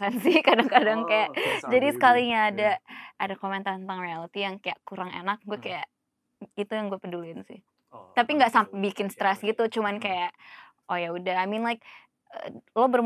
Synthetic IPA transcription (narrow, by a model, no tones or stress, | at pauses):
ansɪhkadaŋkadaŋkajaʔd͡ʒadisə̥kaliɲaːdaadakomɛnt̪at̪ənt̪aŋrialit̪ijaŋkajaʔkuɾaŋḛnak̚ɡuakajaʔ | it̪ujaŋɡuapədulinsɪ̰h | t̪apiŋɡaʔsampabikɪnst̪ɾɛsɡit̪ut͡ʃumankajaʔ | ojaudaɦajminlajk̚ | ə̰lobər